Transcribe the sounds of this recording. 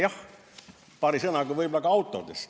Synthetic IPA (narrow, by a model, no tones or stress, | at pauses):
jɑh | pɑrisɤnɑkuʋɤibolɑkɑɑut̪ːˑo̰t̪es